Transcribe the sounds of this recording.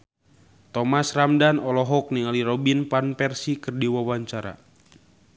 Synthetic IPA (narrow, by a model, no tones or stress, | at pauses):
t̪ɔmasramdanɔlɔɦɔk̚niŋaliɾɔbinpanpɛrsikərdiwawaɲt͡ʃaɾa̰